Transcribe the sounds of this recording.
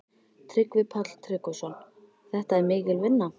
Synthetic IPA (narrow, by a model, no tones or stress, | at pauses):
t̪ʰɾɪkvɪpʰat̪l̥t̪ʰɾɪkɔsɔn | θɛht̪aɛɾmɪːkɪlvɪnːa